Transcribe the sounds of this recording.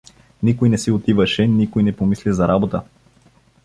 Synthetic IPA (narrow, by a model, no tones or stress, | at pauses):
nikojnɛsiot̪ivəʃɛnikojnɛpomislizɐɾʔabot̪ə